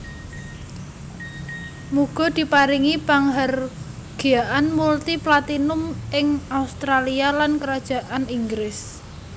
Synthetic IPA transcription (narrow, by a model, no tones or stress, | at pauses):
muɡ̥ɔ̤d̪̥i̤paɾiŋipaŋɦar | ɡ̥ijaʔanmult̪iplat̪inʊmɪŋaust̪ɾalialankəɾad̥ʒ̥a̤ʔaniŋɡɾɪs